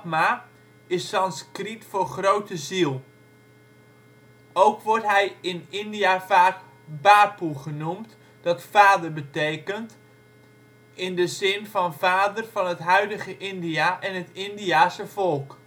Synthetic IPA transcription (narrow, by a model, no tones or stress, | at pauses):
ma | ɪsːɑnskritfʊrχrowtəzilˠ | owkʋʊrtɦɛjɪnɪndiafaːk | baːpuχənumt | d̥ɑtfaːdərbətejkənt | ɪndəzɪnfɑnvaːdərfɑnətɦœɥdəɣəʔɪndiaʔɛnɦətɪndijaːsəfɔlˠk